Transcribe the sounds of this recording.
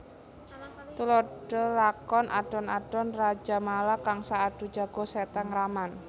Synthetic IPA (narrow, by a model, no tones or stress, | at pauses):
t̪uloɖ̥əlakɔnʔa̰ɖ̥ɔ̤naɖ̥ɔnrad͡ʒa̤malakaŋsaːɖ̥ṳ̥d͡ʒa̤ɡ̥ɔ̤sɛt̪ɛŋraman